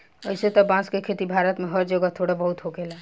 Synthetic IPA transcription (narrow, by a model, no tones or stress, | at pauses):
əɪset̪ɔbãskekʰet̪ibʱaɾət̪meɦəɾd͡ʒəɡət̪ʰoɽebəɦut̪ɦoɡela